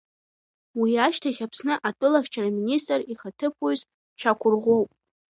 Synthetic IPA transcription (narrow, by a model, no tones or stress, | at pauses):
wiaʃtʰaχʲapʰsnɨʔatʷʼʊlaχʲt͡ʃʰaraministʼriχatʰɨpʰoz | t͡ʃʰakʷʰʊrʁʷo̞wpʼ